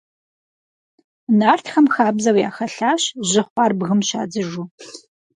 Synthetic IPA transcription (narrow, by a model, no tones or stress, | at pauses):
naːrtʰxɐmxaːbzɐwja̰ːxɐɬaːɕʑɪχʷɑːrbɣɨmɕa̰ːd͡zɨʒuː